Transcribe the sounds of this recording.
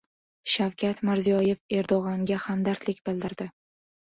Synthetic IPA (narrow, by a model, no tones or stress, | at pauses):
ʃawkʲʰat̪mɪɾzijɒje̞fe̞ɾd̪oʁɑŋɡʲahamd̪aɾt̪lɪkʲbɪld̪ɪɾd̪ɪ